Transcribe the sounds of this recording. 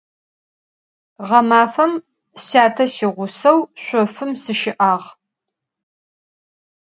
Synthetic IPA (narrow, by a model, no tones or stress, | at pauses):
ʁɐmaːfɐm | saːtʰɐsiʁʷʊsɐwɕʷɔfɨmsɨʃɪʔaːʁ